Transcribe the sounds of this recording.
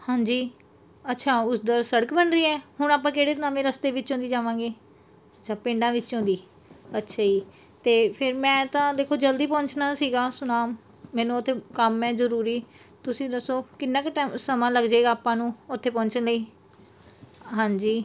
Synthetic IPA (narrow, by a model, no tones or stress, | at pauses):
hãːɲd͡ʒiː | ətːʃʰaːʊsd̪əɾsəɽəkbənɾiːɛːɦʊɳ̃aːpãːkeːɽeːt̪naːmẽːɾəst̪eːʋɪt͡ʃːõːd̪iːd͡ʒaːʋãːɡeː | ətːt͡ʃʰaːpẽːɳɖãːʋɪt͡ʃːt͡ʃõːd̪iː | ətːʃʰaːiː | t̪eːpʰɪɾmɛ̃ːt̪ãːd̪eːkʰːoːd͡ʒəld̪iːpɔ̃ːɲt͡ʃnaːsiːɡaːsʊnaːmː | ɛ̃ːnũːt̪ʰːeːkəmɛ̃ːzəɾuːɾiː | t̪ʊsĩːd̪əsoːkɪnːãːkʈːmsəmãːləɡd͡ʒaeːɡaːpãːnũːʊt̪ʰːeːpɔ̃ːɲt͡ʃənləiː | ɦãːɲd͡ʒiː